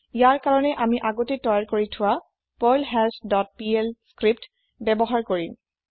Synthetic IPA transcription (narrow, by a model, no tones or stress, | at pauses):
ijaɹkaɹɔnɛʔamiʔaɡotetɔjɔɹkoɹitʰʊwa | pɔjlɦɛlsdɔt̚pielskɹip̚t | bɛbɔɦaɹkoɹim